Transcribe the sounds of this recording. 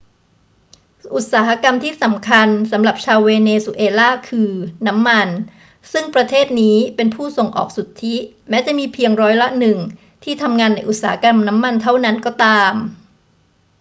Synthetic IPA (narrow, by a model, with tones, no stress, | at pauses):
ʔu˨˩t̪̚saː˩˦ɦa˦˥ka˧mt̪ʰiː˥˩sa˩˦mkʰa˧nsa˩˦mɾa˨˩p̚t͡ɕʰaː˧weː˧neː˧su˧˩ʔeː˧laː˥˩kʰɯː˧na˦˥mːa˧n | sɯ˥˩ŋpɾa˧t̪ʰeː˥˩t̪̚niː˦˥pe˧npʰuː˥˩so˨˩ŋʔɔ̰ː˨˩k̚su˨˩t̪ʰːi˦˥mɛː˦˥t͡ɕa˨˩ʔmiː˧pʰi˧əŋɾɔː˦˥jla˦˥ʔnɯ˨˩ŋ | t̪ʰiː˥˩t̪ʰa˧mŋaː˧nːa˧˥jʔu˨˩t̪̚saː˩˦a˦˥ka˧mna˦˥mːa˧nt̪ʰa˥˩wna˦˥nkɔː˥˩t̪aː˧m